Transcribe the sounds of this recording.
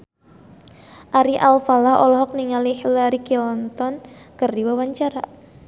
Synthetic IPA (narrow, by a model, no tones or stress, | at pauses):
ʔaɾiʔalfalahɔ̰lɔɦɔk̚niŋalihlaɾikilnt̪ɔnkərdiwawaɲt͡ʃaɾa̰